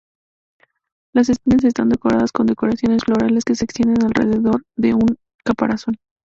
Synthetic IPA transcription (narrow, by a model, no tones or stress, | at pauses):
las̬e̞spinas̬e̞s̬t̪and̪e̞ko̞ɾaðasko̞nd̪e̞ko̞ɾasjo̞ne̞sflo̞ɾale̞ske̞seːkst̪je̞nd̪enalrḛðe̞ðo̞ɾðe̞uŋ | kapa̰ɾaso̞n